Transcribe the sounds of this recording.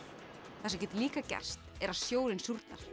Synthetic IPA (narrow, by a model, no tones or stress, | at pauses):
θɛsacɛt̪liːkacɛ̰r̥st̪ɛɾaðsjoːwlɪnsjuɾt̪naɾ̥